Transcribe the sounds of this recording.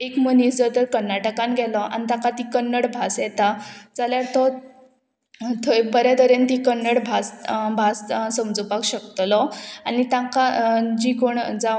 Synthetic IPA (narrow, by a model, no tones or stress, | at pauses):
ekmənisd͡zəd̪əɾkəɾnaʈəkanɡʱɛlɔʔa̰nit̪ãkat̪ikənːəɽbʱasjɛt̪ad͡zaljaɾt̪ɔ | t̪ʰəbəɾjad̪əɾent̪ikənːəɽbʱasbʱassəmd͡zupakɕəkt̪lɔanit̪ãkad͡ʑikoɳd͡za